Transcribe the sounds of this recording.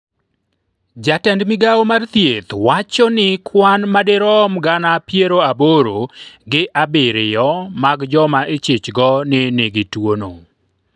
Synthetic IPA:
d͡ʒatɛndmɪɡaomart̪jet̪wat͡ʃɔnɪkʰwanmadɪɾɔmɡanapjeɾoaboɾoɡɪʔabɪɾɪjɔmaɡd͡ʒɔmaʔet͡ʃet͡ʃɡɔneneɡɪtwono

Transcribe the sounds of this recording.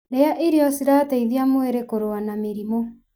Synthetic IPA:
ɾeaʔiɾejɔsiɾateiðeamoeɾekoɾoanameɾimɔ

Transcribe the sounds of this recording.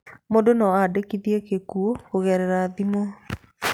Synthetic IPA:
modonɔadekiðiekekuooɣɛɾɛɾaðimo

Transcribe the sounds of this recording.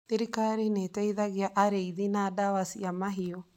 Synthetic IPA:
θiɾikaɾinetɛiðaɣeaʔaɾeiðinaːdawasiamaɦiɔ

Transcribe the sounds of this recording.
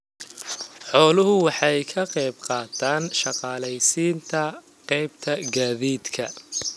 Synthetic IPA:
ħɔːlʊɦʊwɑħɑjkʰɐqɛjbqɑːt̪ʰaːnʃɑqɑːlɛjsiːnt̪ʰɐ | qɛjbt̪ʰɐɡaːðiːd̪kʰɐ

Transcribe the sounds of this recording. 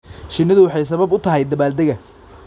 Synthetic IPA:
ʃɪnːɐðʊwɑħɑjs̬ɐβɐbʊt̪ʰɐɦɛjd̪ɐbaːld̪ɐɣɐ

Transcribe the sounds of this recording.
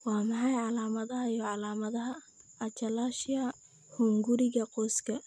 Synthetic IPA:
wɑːmɑħɑjʕɑlaːmɐðɐɦɐijɔʕɑlaːmɐðɐɦɐ | ɐt͡ʃɐlaːʃjɐ | huŋɡʊɾɪɣɐqɔːskʰɐ

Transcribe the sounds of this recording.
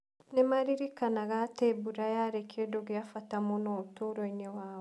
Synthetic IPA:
nemaɾiɾikanaɣatebuɾajaɾekʰedoɡijafatamonotuɾoinewaːwo

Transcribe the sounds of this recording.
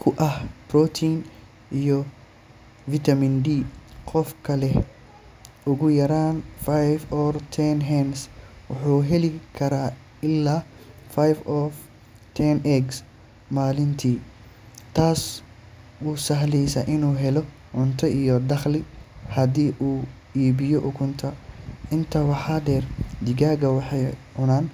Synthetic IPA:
kʰʊʔɐhb̥rɔt̪ʰiːn | ʔijɔ | vɪt̪ʰɐmindiːqɔfkʰɐlɛ | ʊɣʊjɐɾaːnfajvɔːrt̪ʰɛnɦɛns | wʊħuːɦɛlɪkʰɐɾaː | ɪlːaːfajvɔf | t̪ʰɛnɛɡs | maːlɪnt̪ʰiː | t̪ʰaːs | wuːsɐɦlɛjsɐʔɪnuːɦɛlɔ | ʕʊnt̪ʰɐʔijɔd̪ɐχlɪhɐd̪iːʔuː | iːbɪjɔʔʊkʰʊnt̪ʰɐɪnt̪ʰɐwɑħaːɖɛːrd̪ɪɡaːɣɐwɑħɑjʕʊnaːn

